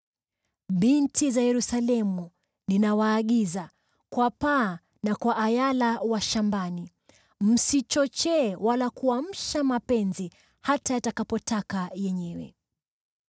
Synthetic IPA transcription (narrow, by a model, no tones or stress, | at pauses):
ɓintizajɛɾusalɛmu | ninawaːɠiza | kwapaː | nakwaʔːjalawaʃambani | m̩sit͡ʃɔt͡ʃɛːwalakuam̩ʃamapɛnzi | hatajatakapɔtakajɛɲɛwɛ